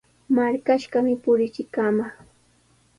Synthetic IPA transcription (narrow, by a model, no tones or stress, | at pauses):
maɾkaʃɢɑmɪpʊɾɪt͡ʃɪkamɑχ